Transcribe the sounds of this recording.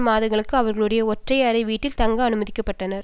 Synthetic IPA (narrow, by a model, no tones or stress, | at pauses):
maːðɯɣɐɭɯkːɯɐʋɐɾɣɐɭɯɽɐjɐɔʈrɐɪɐɾɐɪʋiːʈːɪlt̪ɐŋɡɐːnɯmɐðɪkːɐpːɐʈːɐnɐɾ